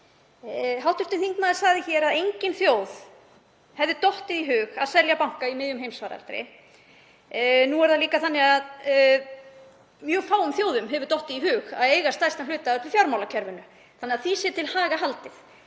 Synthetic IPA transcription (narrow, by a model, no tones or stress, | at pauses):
ɦawht̪ʏɾ̥t̪ɪnθiŋk̪maːðɪsaːɣðɪçɛːɾaðejɲcɪnθjoːwð | hɛvðɪt̪ɔht̪ɪðiɦʏːxaðsɛɾljapawŋ̥kaimɪðjʏmhejmsvaːɾa̰lt̪ɾɪ̰ | nuɛɾðaliːkaθanːɪɣað | mjœːfaːwʏmθjowðʏmɦɛvʏɾt̪ɔht̪ɪðiɦʏːxa̰ðeːjɣast̪ajst̪alʏːt̪aœt̪ɪfjawɾmawlacʰɛɾvʏnʏ | θanːɛaθisjɛt̪ʰɪlhaːɣaɦalt̪ɪθ